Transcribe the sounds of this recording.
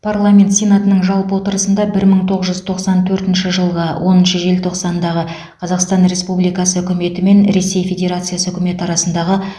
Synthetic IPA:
pʰarlˠamʲe̞nt̪sʲejnat̪ənəɴʒɑlˠpəwo̞t̪əɾəsənd̪ɑbɪɾməɴt̪ʰo̞ʁəzʒʏz̥t̪ʰoqsɑnt̪ʰɵɾt̪ɪnʃɪʒəlˠʁɑwʔo̞nənʃəʒe̞lt̪ʰo̞qsɑnd̪ɑʁə | qʰɑzɑqst̪ɑnre̞spublijkɑsəʏkʲʏme̞t̪ɪme̞nɾe̞se̞jfʲe̞dʲe̞ɾat̪sɨjasəɵkʲɪme̞t̪ɑɾɑsənd̪ɑʁə

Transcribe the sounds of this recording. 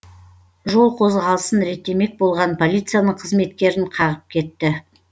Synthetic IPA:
ʒo̞lˠqʰo̞zʁɑlˠəsənɾe̞t̪ːe̞me̞k̚bo̞lˠʁɑnpʰo̞lʲijt̪sɨjanəɴqʰəzme̞t̪kʲe̞ɾɪɴqʰɑʁəp̚kʲʰe̞t̪ːɪ

